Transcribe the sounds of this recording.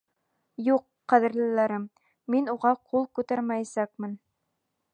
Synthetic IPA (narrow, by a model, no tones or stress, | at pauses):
juqːæðɘ̆ɾlɘ̆læɾɘmː | inuʁɑqʰulˠkʉt̪æɾmæjsæk̚mɘn